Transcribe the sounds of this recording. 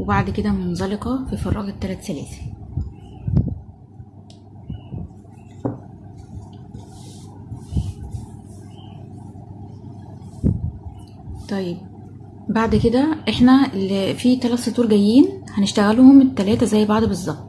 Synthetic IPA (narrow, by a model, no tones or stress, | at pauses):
webaʕd̪ked̪æmonzɑleqɑfifɑrˤːɑ̰ːɡet̪ːælæt̪sælæ̰ːθ | t̪ˤɑjːeb̚ | baʕd̪ked̪æʔeħnæelːfit̪ælæt̪sɑt̪ːuːɾɡæjːiːnhæneʃt̪æɣælohomet̪ːælæːt̪æzæjːbaʕd̪bezˤːɑb̚t̪ˤ